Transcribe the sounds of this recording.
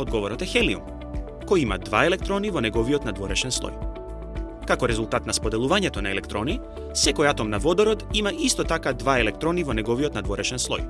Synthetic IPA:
od̪ɡɔvɔɾɔt̪ɛxɛliṵm | kɔjima̰d̪va̰ɛlɛk̚t̪ɾɔnivɔnɛɡɔviɔt̪nad̪vɔɾɛʃɛnslˠɔ̰j | kakɔɾɛzulˠt̪at̪naspɔd̪ɛlˠuvaɲɛt̪ɔnaɛlɛkt̪ɾɔni | sɛkɔjat̪ɔmnavɔd̪ɔɾɔt̪imaʔist̪ɔt̪akad̪vaɛlɛk̚t̪ɾɔnivɔnɛɡɔviɔt̪nad̪vɔɾɛʃɛnslˠɔ̰j

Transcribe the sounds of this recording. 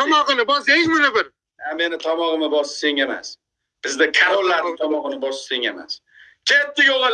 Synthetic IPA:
ɒmɒʁɨnɪbɒsejzmɪnɪbɪɾ | ame̞nɪt̪ʰɒmɒʁɨmɪbɒsseŋema̰s | b̥ɪzd̪ɪkʰaɾolːaɾnɪŋt̪ʰɒmɒʁɨnɪbɒsɪ̥seŋḛma̰s | kʰʲet̪ːɪɡoʁal

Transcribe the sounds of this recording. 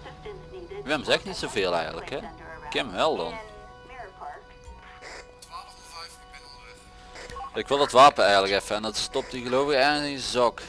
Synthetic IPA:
ʋɪmzɛxnitsowveːlˠɛ̰jɣə̰lə̰kɦɛkɪmʋɛlˠdɑ̰n | ɪkʋɪlˠdətʋaːpənɛjɣələkɛfəɛndətstɔp̚tiɣəlowvɪɣɛɪzɑk

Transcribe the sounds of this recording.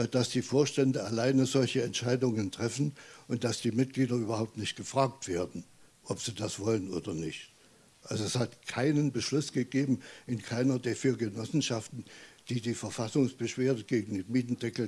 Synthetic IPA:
d̥asd̥iːfoːɐʃtɛndəalaɪnəzɔlçəɛntʃaɪdʊŋəntʁ̥ɛfn̩ʔʊnt̚d̥asd̥iːmɪt̚ɡ̥liːdɐyːbɐhaʊp̚tnɪçtɡ̥əfʁ̥aːk̚tv̥eːɐdn̩ | ʔɔpz̥iːdasv̥ɔləno̰ːdɐnɪçt | ʔalzoɛshatkʰaɪnənbəʃlʊsɡ̥əɡeːbm̩ʔɪnkʰaɪnɐdeːɐfyːɐɡənɔsn̩ʃaftn̩d̥iːdiːfɛɐfasʊŋsb̥əʃv̥eːɐdəɡeːɡŋ̩deːnmiːtn̩dɛkl̩

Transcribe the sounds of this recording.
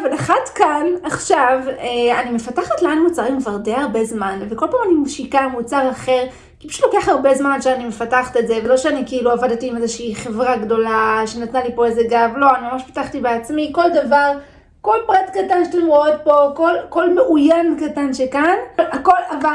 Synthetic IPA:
avalaχatkanaχʃaveanime̞fataχatleanmut͡saʁimkvaʁdejhaʁbe̞zmanvekolpaːmanimʃikamut͡saʁaχeʁ | kibi̥ʃu̥tlokeaχhaʁbe̞zmanʃeanime̞fataχatetzevelo̞ʃeanikeiluavadatiimezeʃiiχe̞vʁaɡdo̞laʃenatnalipo̞ezeɡavlo̞animamaʃpḁtaχtibeat͡smiko̞ldavaʁ | ko̞lpʁatkatanʃeḁtemʁoot̚po̞ko̞lko̞lmeʔujankatanʃekanako̞lava

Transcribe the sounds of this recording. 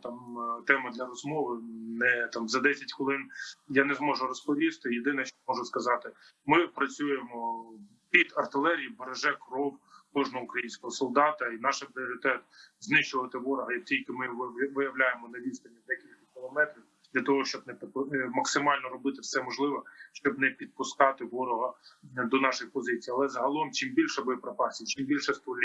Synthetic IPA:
t̪ɑmt̪ɛmɐd̪lʲɐɾɔzmɔʋɪnɛt̪ɑmzɐd̪ɛsʲɐtʲkɔlˠɪnjanezmɔʒʊɾɔspɔʋʲist̪ɪjed̪ɪnɛʃt͡ʃɔmɔʒʊskɐzɑt̪ɪ | mɪpɾɐt͡sʲujemɔ | pʲid̪ɐrt̪ɪlˠɛɾʲijibɐɾɐʒɛkrɔwkɔʒnɔɦɔʊukɾɐjinʲsʲkɔɦɔsɔlˠd̪ɑt̪ɐinɑʃɪpɾʲɪɔɾʲɪt̪ɛt̪znɪt͡ʃʊʋɐt̪ɪʋɔɾʊɦɐjtʲilʲkɪmɪʋɪjɐʋlʲajemɔnɐʋʲist̪ɐnʲːɐd̪ɛkʲilʲkɐkʲɪlˠɔmɛt̪ɾʲiw | d̪lʲɐt̪ɔɦɔʃt͡ʃɔbnɛpmɐksɪmɑlʲnɔɾɔbɪt̪ɪfsɛmɔʒlˠɪʋɔʃt͡ʃɔbnɛpʲid̪̚pʊskɑt̪ɪʋɔɾʊɦɐd̪ɔnɑʃɪxpɔzɪt͡sʲijɐlˠɛzɐɦɐlˠɔmt͡ʃimbʲilʲʃɛbɪpɾɐpɑsʲit͡ʃimbʲilʲʃɛst̪ɔlʲi

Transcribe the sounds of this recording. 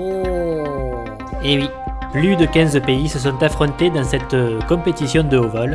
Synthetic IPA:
o | ewi | plyd̪əkʲɛ̃zəpeisəs̬ɔ̃t̪afχɔ̃t̪ed̪ɑ̃sɛt̪kɔ̃pet̪isjɔ̃d̪əovɔl

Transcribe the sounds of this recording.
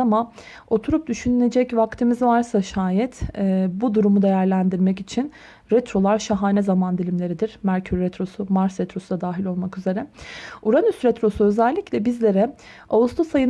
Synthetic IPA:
ama | o̞t̪ʰuɾup̚d̪yʃynylʲe̞d͡ʒɛcvakt̪ʰɯmizvaɾsaʃaːjɛt̪ːbud̪uɾumud̪e̞jæɾlʲænd̪iɾmɛcit͡ʃʰin | ɾɛt̪ɾo̞lˠaɾʃaɦaːnɛzamand̪ilʲimlʲe̞ɾid̪iɾ̥mæɾcʰyɾːɛt̪ʰɾo̞sumaɾsɾɛt̪ʰɾo̞sud̪ad̪aːɦilʲo̞lˠmakyze̞ɾɛuɾanysɾɛt̪ɾo̞suø̞zɛlʲːiclʲɛbizlʲe̞ɾɛ | avust̪ʰosajɯn

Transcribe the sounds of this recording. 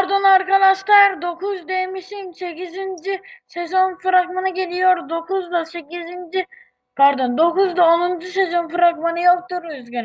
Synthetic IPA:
paɾd̪onaɾkad̪aʃlˠaɾd̪o̞kuzd̪emiʃinse̞kizind͡ʒisezo̞nfɾaɡmanɯɟe̞lʲijo̞ɾd̪o̞kuzd̪asekʲizind͡ʒi | pʰaɾd̪ond̪o̞kuzd̪aonund͡ʒusezo̞nfɾaɡmanɯjok̚t̪uɾøzɡʲøn

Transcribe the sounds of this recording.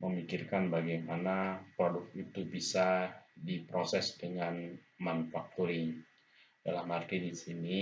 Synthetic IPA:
məmikirkanbaɡajmanapɾodʊk̚it̪ubisadipɾosɛsdəŋan | manufak̚t̪uɾɪŋ | dalahmhart̪idisini

